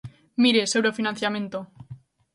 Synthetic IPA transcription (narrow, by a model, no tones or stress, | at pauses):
miɾesewɾofinãnθjamẽ̞nt̪o